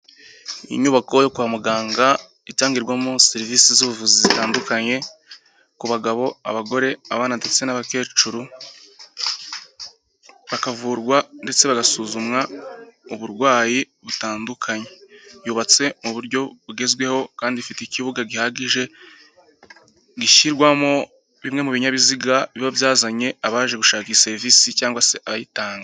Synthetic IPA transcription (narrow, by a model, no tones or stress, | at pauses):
ḭɲuːβako̞jokuamuɡaːŋɡa | itaːŋɡiɾɡwamoseɾiviːsizuβuvuzizitaːndukaɲe̞ | kuβaɡaβo̞a̰βaɡo̞ɾe̞aβaːnatet͡senaβake̞ːt͡ʃuɾu | βakavuɾɡwande̞t͡se̞βaɡasuzumŋauβuɾɡwaːji | βutaːndukʰaɲe̞juːβat͡se̞muβuɾɟo̞βuɡe̞zɡwe̞ho̞kaːndifiteikiβuɡaɡihaɡiʒe̞ | ɡiçiɾɡwamo̞ | βimŋe̞muβiɲaβiziɡaiβavjaːzaɲe̞aβaːʒe̞ɡuʃaːkise̞ɾvisicaːŋɡwase̞ʔaβajitaːŋɡa